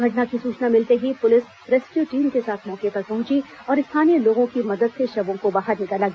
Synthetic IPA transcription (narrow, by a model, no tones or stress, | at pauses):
ɡʱɐʈnakisuːt͡ʃnamɪlt̪eɦipʊlɪs | ɾeːskjuːʈiːmkesaːt̪ʰmɔːkepɐɾpɐɦʊ̃t͡ʃi | ɔːɾɪst̪ʰaːnijeloːɡõkimɐd̪əd̪seʃɐbõkobaːɦəɾnɪkəlaɡ